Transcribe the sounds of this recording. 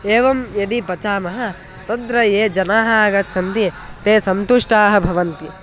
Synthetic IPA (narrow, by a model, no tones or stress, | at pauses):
eːʋɐmjɐd̪ipɐt͡ʃaːmɐɦɐ̆ | t̪ɐd̪ɾɐjeːd͡ʒɐnaːɦɐaɡɐt̪̚t͡ʃʰɐnt̪it̪eːsɐnt̪uʂʈaːɦɐ̆bʱɐʋɐnt̪i